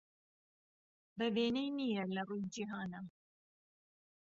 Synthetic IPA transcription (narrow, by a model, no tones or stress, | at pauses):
bɐbeːnejnijɛlɐrujd͡ʒiɦaːna